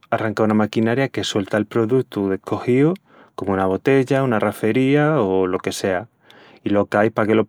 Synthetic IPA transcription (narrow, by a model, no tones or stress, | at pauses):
araŋkaunamakinaɾjake̞swe̞lt̪aelpɾo̞ðukt̪uðe̞kʰo̞hio | ko̞mounaβ̞o̞t̪e̞ʎaunarafe̞ɾiaolo̞ke̞se̞a | ilo̞kajhpake̞lo̞